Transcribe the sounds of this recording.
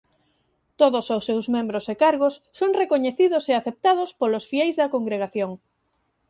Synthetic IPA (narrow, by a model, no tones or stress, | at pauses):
t̪oðososːewzmẽmbɾosekaɾɣosːoŋrekoɲeθiðoseaθep̚t̪að̞ospolosfiɛjzðɐkoŋɡɾeɣ̞aθjoŋ